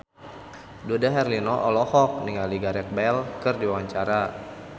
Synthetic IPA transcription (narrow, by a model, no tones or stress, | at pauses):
dodaɦɛrlinɔʔɔlɔhɔk̚niŋaliɡaɾɛt̪̚bɛlkɨrdiwaɲt͡ʃaɾa